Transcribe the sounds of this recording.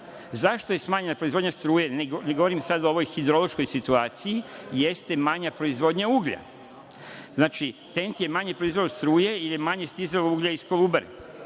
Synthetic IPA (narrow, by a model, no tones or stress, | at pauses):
zaʃt̪o̞je̞smaːɲe̞napɾoizvo̞d̪ɲast̪ɾuːjeneɡneɡoʋoɾimsad̪ooʋo̞jxid̪ɾo̞lˠo̞ʃkojsit̪uaːt̪sijijest̪emaɲapɾoizʋo̞d̪ɲauːɡʎa̰ | znaːt͡ʃit̪e̞nt̪je̞maɲepɾoizʋoost̪ɾuːje̞ilijemaɲe̞st̪izeluːɡʎaisko̞lˠuːbaɾḭ